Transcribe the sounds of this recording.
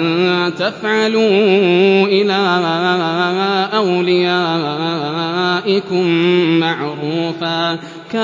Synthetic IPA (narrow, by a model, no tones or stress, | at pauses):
t̪afʕaluː | ʔɪlaː | ʔawlɪjaː | ʔɪkʊmːaʕɾuːfaː | ka